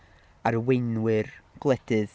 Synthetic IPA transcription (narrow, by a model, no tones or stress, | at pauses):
aɾəwejnwɨrɡ̥lˠɛd̥ɨð